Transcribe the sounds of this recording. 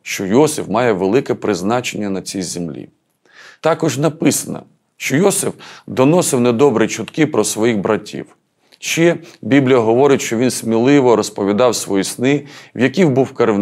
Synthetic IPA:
ʃt͡ʃɔjɔsɪwmɑjɛʋelˠɪkɛpɾɪznɑt͡ʃenʲːɐnɐt͡sʲijzʲemlʲḭ | t̪ɑkɔʒnɐpɪsɐnɐ̰ | ʃt͡ʃɔjɔsɪfd̪ɔnɔsɪwnɛd̪ɔbɾit͡ʃʊt̪kɪpɾɔsʋɔjixbɾɐtʲʰḭw | ʃt͡ʃɛbʲiblʲijɐɦɔʋɔɾɪtʲʃt͡ʃɔʋʲinsmʲilˠɪʋɔɾɔspɔʋʲid̪ɑwsʋɔjisnɪwjɐkʲiwbuwkɐɾ

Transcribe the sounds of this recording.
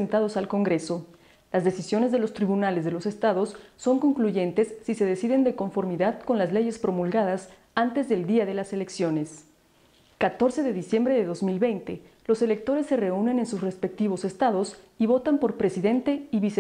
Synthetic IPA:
ent̪að̞o̞salko̞ŋɡɾe̞so̞ | lazðe̞sisjo̞nezðe̞lo̞st̪ɾiβunalezðe̞lo̞se̞st̪aðo̞sːo̞ŋko̞ŋkluʝe̞nt̪e̞sːise̞ðe̞siðend̪e̞ko̞ɱfo̞ɾmiðaðko̞nlazle̞ʝe̞spɾo̞mulɣað̞as | ant̪e̞zðe̞ld̪iaðe̞lase̞le̞ksjo̞ne̞s | kat̪o̞ɾse̞ðe̞ðisje̞mbɾe̞ðe̞ðo̞zmilβe̞jnt̪e̞lo̞se̞le̞k̚t̪o̞ɾe̞sːe̞re̞une̞ne̞nsusre̞spe̞k̚t̪iβ̞o̞se̞st̪aðo̞siβo̞t̪ampo̞ɾpɾe̞siðe̞nt̪e̞iβise

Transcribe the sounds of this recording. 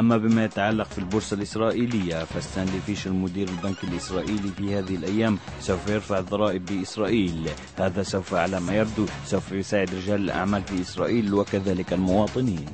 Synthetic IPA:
ʔamːabɪmajat̪aʕalːɑqfilbʊɾsalʔɪsɾˤɑːʔiːlɪjːafast̪aːnlifiːʃlmʊd̪iːɾɪlbankalʔɪsɾˤɑːʔiːlifihaːðɪhɪlʔajːaːmsawfajɪɾfaʕðˤɑɾˤɑːʔɪbːɪʔɪsɾˤɑːʔiːl | haːðasawfaʕalamajab̚d̪usawfajʊsaːʕɪd̪ɾɪd͡ʒaːlɪlʔa̰ʕmaːlfiʔɪsɾˤɑ̰ːʔiːlwakaðaːlɪkalmʊwɑːt̪ˤɨniːn

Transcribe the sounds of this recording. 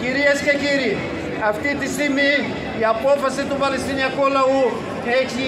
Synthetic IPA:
kiɾiɐskʰekiɾi | ɐft̪it̪isimi | japoːfɐsit̪ubɐlisinjakoːlɐũ | t̪ʰekʰi

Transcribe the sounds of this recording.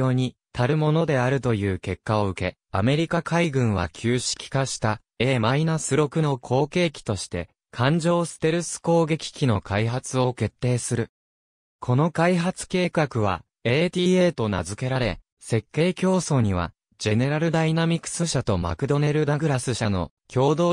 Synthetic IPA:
o̞ːɲ̟it̪ʰaɾɯ̟mo̞no̞d̪e̞aɾɯ̟t̪o̞jɯ̟ːke̞kːao̞ɯ̟ke̞ | ame̞ɾʲikakʰaiɡɯ̟̃ɰ̃β̞a̰kʲʰɨːɕi̥kʲi̥kaɕi̥t̪a | e̞ːmainasɨɾo̞kɯ̟no̞kʰo̞ːke̞ːkʲi̥t̪o̞ɕi̥t̪e̞̰ | kʰãɲ̟d͡ʑo̞ːsɨ̥t̪e̞ɾɯ̟sɨ̥ko̞ːɡe̞kʲi̥kʲino̞kʰaiɦat͡sɨo̞ke̞t̪ːe̞ːsɨɾɯ̟ | kʰo̞no̞kaiɦat͡sɨ̥ke̞ːkakɯ̟β̞a̰ | eːt̪ʲiːe̞ːt̪o̞na̰zɨke̞ɾaɾe̞ | se̞kːe̞ːkʲo̞ːso̞ɲ̟iβ̞a̰ | d͡ʑe̞ne̞ɾaɾɯ̟d̪ainamʲikɯ̥sɨɕat̪o̞ma̰kɯ̟d̪o̞ne̞ɾɯ̟d̪aɡɯ̟ɾasɨɕano̞ | kʲo̞ːd̪o̞ː

